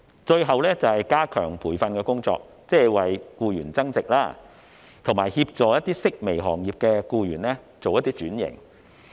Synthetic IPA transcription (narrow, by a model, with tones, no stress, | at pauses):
t͡ʃɵ˧ɥɦɐ˨wlɛː˥t͡sɐ˨whɐ˨jkaː˥kʰœː˨˩ŋpʰuː˨˩jfɐ˧nkɛː˧kʊ˥ŋt͡sɔ̰ː˧k̚ | t͡sɛː˥wɐ˨jkuː˧jyː˨˩nt͡sɐ˥ŋt͡sɪ˨k̚laː˥ | t̪ʰʊ˨˩ŋmaː˨˩jhiː˧p̚t͡ʃɔː˨jɐ˥t̪̚iː˥sɪ˥k̚me˨˩jɦɔː˨˩ŋjiː˨p̚kɛː˧kuː˧jyː˨˩nlɛː˥ | t͡so˨wjɐ˥t̪iː˥t͡ʃyː˨˥njɪ̰˨˩ŋ